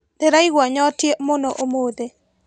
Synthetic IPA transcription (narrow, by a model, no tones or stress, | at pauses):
d̪̥eɾaiɡwaɲɔtjemɔnɔʔomod̪e